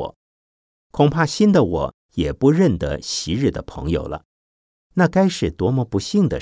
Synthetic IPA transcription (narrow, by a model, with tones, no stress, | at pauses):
ɔ̰˨˩˦ | kʰʊ˨˩ŋpʰa˥ɕi˥nd̪ə˨wɔ̰˨˩˦ | jɛ˨˩pu˧˥ɻə˥˩nd̪ə̰˨ɕi˧˥ɻ̩˥˩d̪ə̰˩pʰɤ̰˧˥ŋjo̰˨˩ʊlʔə̰˦ | na˥˩ka˥ɪʂɻ̩˥˩t̪wɔ˧˥mɔ˧pu˧˥ɕi˥˩ŋd̪ə̰˩